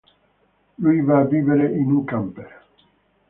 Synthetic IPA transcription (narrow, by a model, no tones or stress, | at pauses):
lujvaːviːveɾeʔinuŋkampe